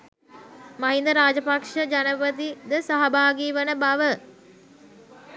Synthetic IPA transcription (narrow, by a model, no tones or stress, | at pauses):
maɦind̪əɾaːd͡ʒəpakʂəd͡ʒanəpət̪̬id̪əsaɦabaːɡiːʋənəbaʋə